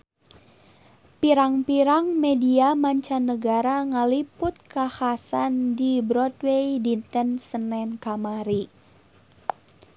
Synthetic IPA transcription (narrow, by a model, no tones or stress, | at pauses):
piɾaŋpiɾaŋmediamaɲt͡ʃanəɡaɾaŋalipʊt̪̚kahasandibɾɔdwejdint̪ənsənɛnkamaɾi